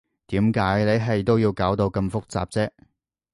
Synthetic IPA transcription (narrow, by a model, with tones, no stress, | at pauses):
t̪iː˨˥mkaː˨˥jne˨˧jɦɐ˨jt̪o˥wjiː˧wkaː˨˥wt̪o˧wkɐ˧mfʊ˥k̚t͡sa̰ː˨p̚t͡sɛː˥